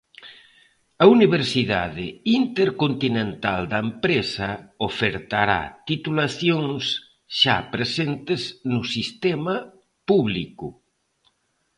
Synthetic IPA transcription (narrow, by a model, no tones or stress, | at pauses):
ɐuniβ̞eɾsiða̰ðɪint̪eɾkont̪inẽnt̪ald̪ɐempɾesɐofeɾt̪aɾa̰t̪it̪ulaθjoŋs | ʃa̰pɾesent̪eznʊsist̪ema | puβliku